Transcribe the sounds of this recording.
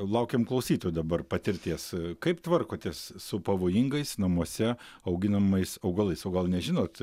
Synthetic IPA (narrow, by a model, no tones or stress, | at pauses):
lˠɐʊkʲeːmklˠɐʊsʲiːt̪oːjud̪ɐbɐrpɐt̪ʲɪɾʲt̪ʲiɛskɐɪpt̪ʋɐrkoːt̪ʲeːssʊpɐʋoːjɪŋɡɐɪsnɐmuɔsʲɛ | ɐʊɡʲɪnɐmɐɪsɐʊɡɐlˠɐɪsoːɡɐlˠnʲɛʒʲɪnoːt̪